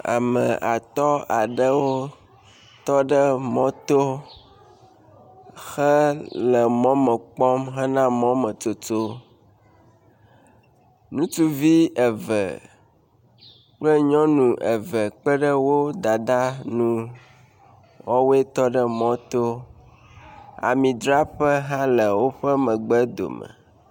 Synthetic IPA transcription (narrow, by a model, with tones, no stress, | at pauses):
a̰˨mə̃˨ʔa˨t̪ɔ˦a˨ɖə˦wo˦ | t̪ɔ˦ɖə˦mɔ̃˦t̪o˦ | xə˦lə˨mɔ̃˦mə̃˨k͡pɔ˦mɦə˦nã˦mɔ̃˨˦mə̃˨to˨t͡ʃo˦ | nũ˦t͡ʃu˦vi˦ə˨və̰˨ | k͡plə˦ɲɔ̃˦nũ˨ʔə˨və˨k͡pə˦ɖə˦wo˦d̪a˨d̪a˦nũ˦ | wɔ˦we˦t̪ɔ˦ɖə˦mɔ̃˦t̪o˦ | a̰˨mĩ˨d̪ɾa˦ɸə˦ɦã˦lə˨wo˦ɸə˦mə̃˨ɡ͡bɛ˦d̪o̰˨mə̰˨